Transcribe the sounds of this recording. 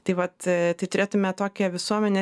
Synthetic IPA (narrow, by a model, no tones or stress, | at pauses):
t̪ɐɪʋɐt̪t̪ɐɪt̪ʊɾʲeːt̪ʊmʲɛt̪oːkʲɛʋʲɪsuɔmʲɛnʲeː